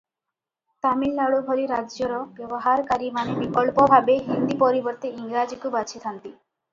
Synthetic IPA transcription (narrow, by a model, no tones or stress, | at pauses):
t̪amilnaɭubʱɔɾiɾad͡ʒjɔɾɔbjɔbɔɦaɾkaɾimanebikɔlpɔbʱabeɦind̪ipɔɾibɔɾt̪iiŋɡɾad͡ʒikubat͡ʃʰit̪ʰant̪i